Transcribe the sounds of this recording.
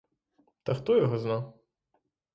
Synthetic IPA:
t̪ɐxt̪ɔjɔɦɔznaw

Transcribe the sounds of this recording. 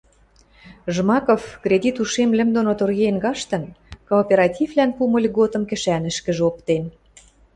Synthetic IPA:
ʒmɑkofkrʲedʲit̪uʃemlɘ̆md̪onot̪orɣenɡɑʃt̪ə̆nkoːpʲeɾɑt̪ʲivlænpumə̆lʲɣot̪ɤ̆mkɘ̆ʃænɘ̆ʃkə̆ʒeopt̪en

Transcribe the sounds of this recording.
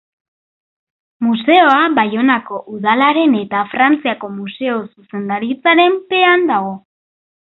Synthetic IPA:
muse̞o̞abajo̞nako̞ʔuðalaɾe̞ne̞t̪afɾant͡siako̞muse̞o̞suse̞nd̪aɾit͡saɾe̞mpe̞and̪aɣo̞

